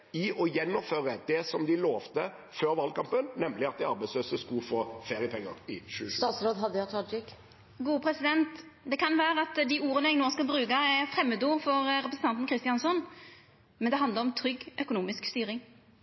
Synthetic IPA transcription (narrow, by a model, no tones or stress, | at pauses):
ɪʔɔjɛnːɔføːɾəd̪ɛsɔmd̪ɪloːʋt̪ə | føːɾʋɑlkɑmpənːɛmːlɪɑt̪̚d̪ɛɑɾbɛɪsløːsəskʉfoːfeːɾɪəpʰɛŋːəɾɪʃʉːəsʉt̪ɑːt̪sɾoːd̪ɦɑd̪ːəʊɑd͡ʒɪk | ɡuːəpʰɾɛsɪd̪ɛnt̪d̪ɛkʰɑnʋæːɾəɑt̪d̪ɪuːʁənəɛɡnoːskɑlbɾʉːkɑɛfɾɛmːəd̪uːɾfɔɾɾɛpɾsən̩t̪ɑnt̪n̩kʰɾɪst̪ɪɑnsɔn | mɛnd̪ɛɦɑnd̪əɾɔmt̪ʰɾʏɡːʔœkʊnuːmɪskst̪yːɾɪŋ